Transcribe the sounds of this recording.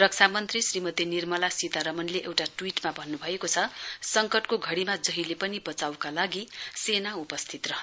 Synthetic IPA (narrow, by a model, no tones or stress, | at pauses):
rʌk̚t͡sʰamʌnt̪risrimʌt̪inirmʌlasit̪aɾʌmʌnleʔewʈaʈwiʈmabʱʌnːubʱʌekot͡sʰʌsʌŋkʌʈkoɡʱʌɽimad͡zʌɦilepʌnibʌt͡sawkalaɡisenaupʌst̪ʰit̪rʌɦ